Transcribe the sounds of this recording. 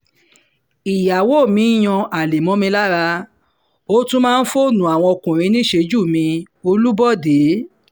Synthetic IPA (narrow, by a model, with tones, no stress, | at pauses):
i˨ja˨wo˦˨mĩ˨˧˦j̃ɔ̃˧a˨le˨mɔ̃˨˦mĩ˧la˦ɾa˧ | o˦tũ˦mãː˦˧n̩˦fo˦˨nũ˨a˨w̃ɔ̃˧o˧kũ˨ɾ̃ĩ˧nĩ˦ʃe˧d͡ʒu˦˨mĩ˧ | o˧lu˦bɔ˦˨de˨˦